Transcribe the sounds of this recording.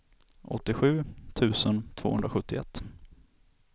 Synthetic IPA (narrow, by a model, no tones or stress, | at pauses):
ɔ̰t̪ːɪɧʉ̟ːt̪ʰʉ̟ːsənt̪ʰv̥oːɵ̰nd̪ɾaɧɵt̪ːɪɛ̰t̪ː